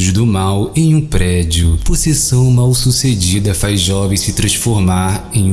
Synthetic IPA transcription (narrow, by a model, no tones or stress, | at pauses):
ʊzd̪ʊmawẽj̃ũpɾɛd͡ʒiʊpoɾsesɐ̃w̃mawsused͡ʒid̪ɐfajzʒɔvẽj̃sɪt̪ɾɐ̃sfoɾmaɾẽj̃